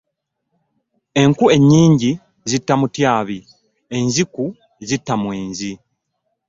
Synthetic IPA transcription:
e̞ŋkue̞ɲːiːɲɟi | zitːamutjaːβi | e̞ɲziku | ezitːamweːɲzi

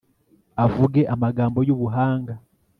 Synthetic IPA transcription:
avuɡe̞ʔamaɡaːmbo̞juβuɦaːŋɡa

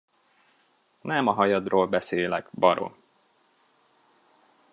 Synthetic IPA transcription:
nɛmɒɦɒjɒd̪roːlbɛseːlɛɡbɒɾo̰

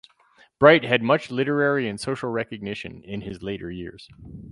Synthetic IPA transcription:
b̥ɹaɪt̚ɦɨd̚mʌt͡ʃlɪɾə˞ɛɹiɨ̃nsoʊʃl̩ˠɹɛkɨɡ̚nɪʃɨ̰̃nɪ̃nɪzleɪɾə̰˞jɪ̰ɹz̥

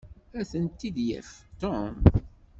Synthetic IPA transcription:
æθənt̪ːid̪jæ̰ft̪ɔm

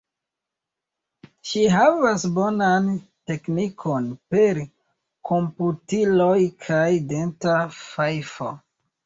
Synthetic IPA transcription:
ʃiɦavasbonan | te̞knikʰonpe̞ɾ | kʰo̞mputilojkʰajdentafajfo̰

